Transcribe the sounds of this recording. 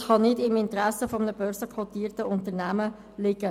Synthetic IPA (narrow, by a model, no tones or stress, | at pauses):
χɑnɪdɪmɪntəɾæsəfɔmənəb̥œːɾsəkʰʁot̪iːrtəʊntəɾnæmə | lɪɡə